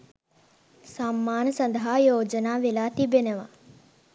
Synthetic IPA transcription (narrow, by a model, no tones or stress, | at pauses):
saːmːaːnsɐnd̪ʱɦaːjoːd͡ʒənaːʋilaːt̪ibjənɐʋa̰ː